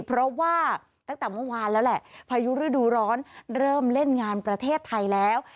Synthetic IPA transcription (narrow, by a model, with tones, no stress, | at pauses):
pʰɾɔ˦˥waː˥˩ | t̪aː˦˥˩ŋt̪ɛː˨˩mɯ˥˩ə˨waː˧nlɛː˦˥wlɛ˨˩ʔpʰaː˧ju˦˥ɾɯː˥˩duː˧ɾɔː˦˥nɾɤː˥˩mle˥˩nŋaː˧npɾa˧t̪ʰeː˥˩t̪ʰːa˧jlɛː˦˥w